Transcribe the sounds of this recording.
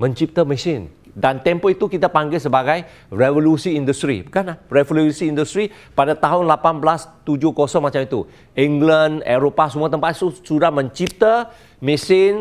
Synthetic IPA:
mə̃ɲt͡ʃip̚t̪əmisɪn | dant̪ɛmpɔit̪ukit̪apaŋɡɪlsəbaɡaj | refolusiindust̪ɾḭkanarefolusiːndust̪ɾi | padat̪aɦʊnlapanblast̪ud͡ʒʊkɔsɔŋmat͡ʃamit̪u | iŋɡlaneɾopasəmuat̪əmpat̪susudahmə̃ɲt͡ʃip̚t̪ə | misɪn

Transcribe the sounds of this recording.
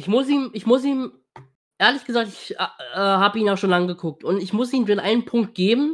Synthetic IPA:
ɪçmʊsiːmɪçmʊsiːm | ʔeːɐlɪçɡ̥əzaːk̚tɪçʔɛːhaːbəiːnaʊʃoːnlaŋəɡəkʰʊk̚tʊntɪçmʊs̬iːndeːnʔaɪnənpʰʊŋk̚t̚ɡ̥eːbm̩

